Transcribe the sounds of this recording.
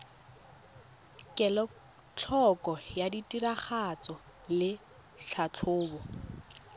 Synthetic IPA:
kʼɛlɔ | t͡ɬʰɔkʼɔjaditʼiɾaχat͡sɔ | lɪ | ɬʰat͡ɬʰʊːbɔ

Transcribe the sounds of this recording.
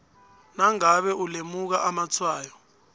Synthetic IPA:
naŋaɓɛulemuk̬aʔamat͡sʰwaːjɔ

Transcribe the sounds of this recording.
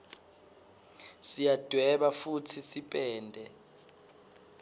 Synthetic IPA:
sijad̥ʱwɛɓafutʰisipʼɛːndʱɛ

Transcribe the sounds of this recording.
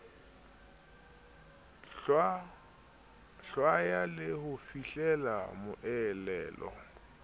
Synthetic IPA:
ɬwajalɪhʊfiɬɛla̰mʊʔɛlɛːlɔ̰

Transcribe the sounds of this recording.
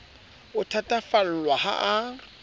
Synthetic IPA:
ʊtʰatʼafal̩lwaha̰ʔa

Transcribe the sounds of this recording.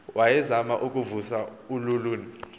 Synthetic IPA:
wʔajɛzamaʔuk̬ʼuvusaululuːni

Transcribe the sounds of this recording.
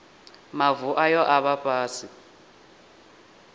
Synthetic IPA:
mavuʔajɔʔaɓapʼaːsi

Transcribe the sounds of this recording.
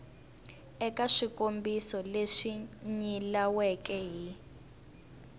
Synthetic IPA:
ɛkaʂikombisɔleʂiɲilawɛkɛɦi

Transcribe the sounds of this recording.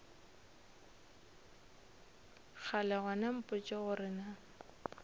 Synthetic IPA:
k͡xʰalɛɣanam̩pʼʊt͡ʃʼɪɣʊɾɪna

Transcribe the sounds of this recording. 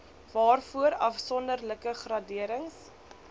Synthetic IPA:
vɑːrfuəɾɐfsɔndərləkəχrɐdiəɾəŋs

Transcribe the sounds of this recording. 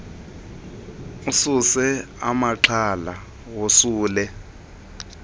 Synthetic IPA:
ususɛ | amaǁʰala | wosuːlɛ

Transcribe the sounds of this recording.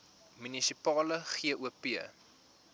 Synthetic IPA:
mynisipɑːləχiəʔuəpiə

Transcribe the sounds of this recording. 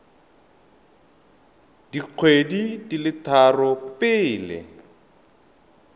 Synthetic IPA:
diq͡χʰwedidilɪtʰarɔpɪːlɛ̰

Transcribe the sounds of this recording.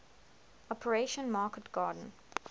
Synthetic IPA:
ɔpʰəɹeʃə̃nmɑːkətɡ̥ɑːdə̃n̩

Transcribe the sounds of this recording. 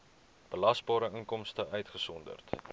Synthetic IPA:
b̥əlɐsbɑːɾəəŋkɔmstəʔœɥtχəsɔndə̰rt

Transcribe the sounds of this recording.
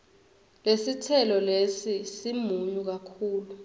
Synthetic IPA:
lesitʰɛlɔlesisimuɲuk̬akʰuːlu

